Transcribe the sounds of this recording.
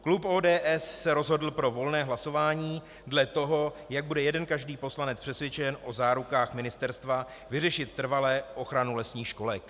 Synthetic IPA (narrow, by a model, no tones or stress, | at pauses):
klupʔoːdɛːʔɛsːɛɾo̞zɦo̞dl̩pɾo̞vo̞lnɛːɦlaso̞vaːɲiː | dlɛt̪o̞ɦo̞ | jaɡ̚budɛjɛdɛnkaʒdiːpo̞slanɛt͡spr̥ɛsvjɛt͡ʃɛnʔo̞zaːɾukaːxmɪnɪst̪ɛɾst̪va | vɪrɛʃɪt̪ːr̩valɛːʔo̞xɾanulɛsɲiːxʃko̞lɛk